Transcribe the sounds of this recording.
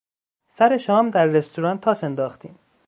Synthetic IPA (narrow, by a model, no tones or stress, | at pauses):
sæɾe̞ʃɒːmd̪æɾːest̪ʰuɾɒːnt̪ʰːɒːse̞nd̪ɒːxt̪iːm